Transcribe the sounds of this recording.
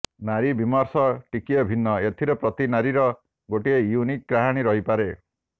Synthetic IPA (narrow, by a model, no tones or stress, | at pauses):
naɾibimɔɾsɔʈikijɔbʱinːɔet̪ʰiɾɔpɾɔt̪inaɾiɾɔ | ɡoʈiejunik̚ɡɾaɦaɽ̃iɾɔɦipaɾe